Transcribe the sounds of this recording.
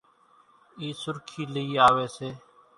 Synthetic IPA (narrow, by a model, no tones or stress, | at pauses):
iːsʊɾkʰiːləiːaːʋeːseː